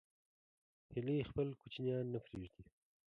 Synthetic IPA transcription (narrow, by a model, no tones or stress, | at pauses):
hɪlixpəlkut͡ʃnjɑnːapɾeʒd̪i